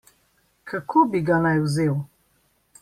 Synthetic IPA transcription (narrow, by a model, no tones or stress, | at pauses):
kʰakʰobiɡanajwzeːw